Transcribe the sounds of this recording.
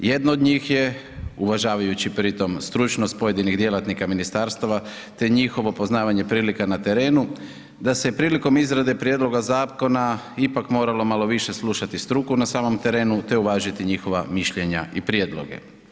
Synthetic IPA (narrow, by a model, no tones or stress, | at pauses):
je̞d̪nood̪ɲiːxje̞ | uʋaʒaːʋajut͡ɕipɾit̪o̞mst̪ɾut͡ʃno̞st̪̚po̞je̞d̪iniɣd̪je̞lat̪nikaminist̪aɾst̪aʋa | t̪e̞ɲixo̞ʋo̞po̞znaːʋaɲe̞pɾiːlikanat̪e̞ɾe̞ːnu | d̪asepɾiːliko̞mizɾad̪e̞pɾje̞d̪lo̞ɡazaːko̞na | ipakmo̞ːɾalo̞malo̞ʋiʃe̞slˠuʃat̪ist̪ɾukunasaːmo̞mt̪e̞ɾe̞ːnut̪e̞uʋaːʒit̪iɲixo̞ʋamiʃʎe̞ɲa̰ʔipɾjed̪lo̞̰ɡe̞̰